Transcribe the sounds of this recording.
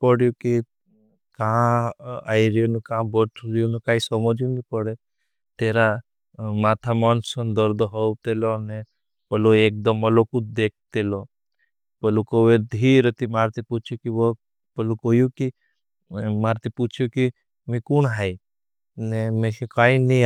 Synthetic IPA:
pəɽjuki | kaãa̰iɾijonekaãbɔʈʰɾijonekaːisɔmɔd͡ʒjunipəɽe | t̪eːɾa | maːt̪ʰamɔnsənd̪əɾd̪ɦɔt̪elone | pəloeːk̚d̪əmːəlokud̪eːk̚ʰt̪elo | pəlukoʋed̪ʱiɾət̪imaːɾt̪iput͡ʃʰjokiʋo | pəlukoːjuki | maːɾt̪iput͡ʃʰjoki | mẽkunɦai | nemẽʃekaini

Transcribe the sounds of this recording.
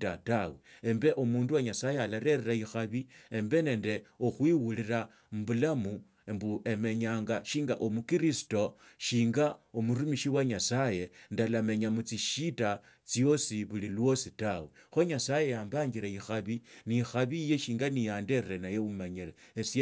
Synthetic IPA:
tataweembe̞ʔomuːnduwaɲasajealaɾe̞ɾeɾaixaβiembe̞ne̞ːnde̞oxwiwuliɾa | mbulamu | embuʔe̞me̞ɲaːŋɡaʃiːŋɡa̰ʔomukiɾisi̥to̞ʃiːŋɡaomuɾumiʃiwaɲasaje̞ndalame̞ɲamut͡siʃita | t͡sjo̞siβulilwo̞sitawe | xo̞ɲasaje̞jaːmbaːŋɡiɾaixaβinixaβijeʃiːŋɡanijaːnde̞ɾeɾenajeumaɲilees

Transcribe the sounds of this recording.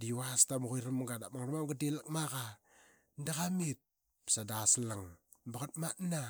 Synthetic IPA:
diwastamuɣujɾamɡadamaŋɾmamɡatilak̚maɣa | ndaɣamit̚ | psadaslaŋ | baɣat̚matna

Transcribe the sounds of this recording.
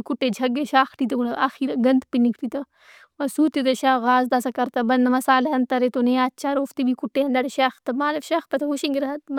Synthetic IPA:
kuʈːed͡ʒʱɐɡeʃaːxʈit̪ɐunaːxiɾɐɡɐnd̪pinikʰʈ̪it̪ɐ | mɐsuːt̪it̪ɐʃaːɣaːzd̪ɐsɐkɐɾt̪ɐbɐnd̪mɐsaːleɐnt̪ɐɾet̪oneaːtt͡ʃʰaːɾoːft̪ibʱikuʈːeɐnd̪ɐɽeʃɐːxt̪ɐmaːlɐfʃɐxpɐt̪ʰɐɦuʃiŋɡiɾɐɦɐt̪m

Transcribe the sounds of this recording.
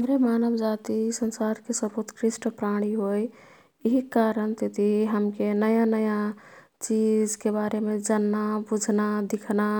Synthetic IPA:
ɦəmɾemanəbd͡ʒat̪isənsaɾkesəbot̪kɾisʈpɾaɽ̃iɦoj | iɦikaɾəɳt̪ed̪ʱiɦəmkenəjanəja | t͡ʃid͡ʒkebaɾemed͡ʒənːabud͡ʒʱnad̪ikʰna

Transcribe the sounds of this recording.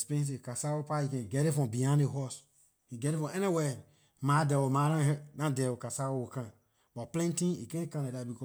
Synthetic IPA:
spɛ̃ns̬ekasawopajikɛ̃nɡɛɾefɔ̃mbiãneɦɔs | iɡɛɾifɔ̃ɛniwɛ | madɛwomaɾãɾãdɛwokasawowokã | bɔplɛ̃ntĩnḭkɛ̃kãnedabikɔ

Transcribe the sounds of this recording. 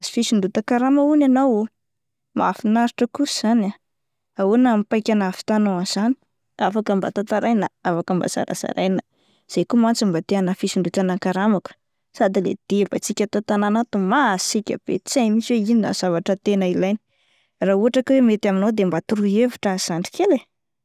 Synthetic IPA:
zi̥fisind̪ut̪akaɾamaunanaw | maafinaɾiʈ͡ʂəkusz̥ana | aunamipajkʲanafi̥t̪anoaz̥ani̥ | afakəmba̰t̪at̪aɾajnəafakəmba̰za̰ɾa̰za̰ɾajnə | z̥ejkumant͡simbat̪eanəfisiɳɖ͡ʐuʈ͡ʂanaŋkaɾamakə̥ | sad̪ilḛd̪̥ebat͡sikʲət̪at̪ananat̪umasikʲə̰b̥ḛt͡samisweinina̰z̥avaʈ͡ʂət̪enəilajni̥ | rauɦaʈ͡ʂakwemet̪aminod̪embat̪uɾuevuʈ͡ʂaz̥aɳɖ͡ʐi̥kele

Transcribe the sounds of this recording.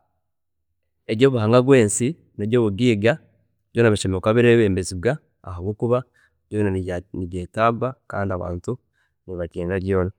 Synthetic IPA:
eɾɟo̞ːβuɦaŋɡaɡweːnsi | neɾɟo̞ːβuɡiːɡa | joːnaβiʃemekaβiɾeβeːmbezibɡa̰ː | ɦaɡwoːkuβa | β̥joːnaniɟeːtabaka̰ːndiaβa̰ːntu | niβaciːnɾaɾɟjoːna

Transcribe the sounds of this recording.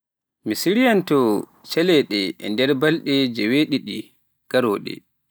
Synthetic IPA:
misiɾijantɔ | t͡ʃɛlɛɗɛɛ̰ndɛɾbalɗɛd͡ʒɛweɗiɗi | ɡ̥aɾɔːɗɛ̰

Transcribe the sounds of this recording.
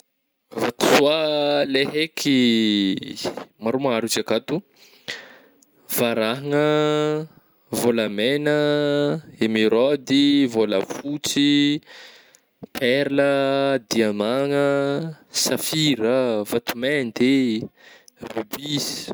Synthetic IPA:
vat̪u̥sualeɦekʰi | maɾomaŋaɾut͡ʃakat̪u | vaɾaɦaŋə | volamenə | emiɾɔd̪ivolə̰fut͡si | pʰɛɾləd̪iamaŋə | safiɾəvat̪umend̪e | rybizi̥

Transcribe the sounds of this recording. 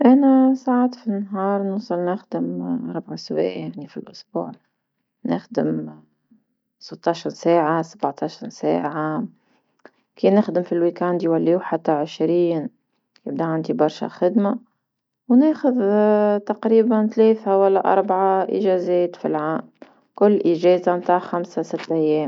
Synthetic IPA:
ʔanasaʕaːt̪finːaɦɑːɾˤnʊsˤɑlnɪxd̪ɪmʔɑɾˤbʕaswḛːʔjaʕnifilʔʊsbṵːʕ | nɪ̰xd̪ɪm | sɨt̪ˤːɑʃɾˤsaːʕasabʕt̪ˤɑʃɑɾˤsa̰ːʕam | kiːnɪxd̪ɪmfilwikand̪jwalːiːuħat̪ːaʕɪʃɾiːn | kɪb̚d̪aʕand̪ibɑɾˤʃa̰xɪd̪ma | wneːxʊðt̪ɑqɾiːbant̪lɛːθawalːaʔɑ̰ɾˤbaʕaʔɪ̰ʒɛːzɛːt̪fḭlʕaːm | kʊlːʔɪʒɛːzamt̪aːʕxamsasɪt̪ːʔæjːɛːm

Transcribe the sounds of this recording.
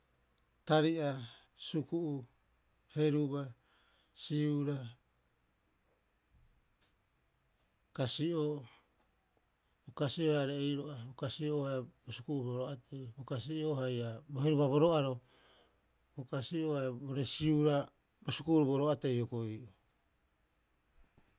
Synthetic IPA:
taɾiʔa | sukuʔu | he̞ɾuba | siuɾa | kasio | bokasioaɾejɾoʔabokasiohabosukuuboɾoatʰejbokasioɦajaboheɾubaβo̞ɾoaɾo | bokasiohaboɾe̞siuɾa | bosukuːɾuboɾoate̞jokoiʔo

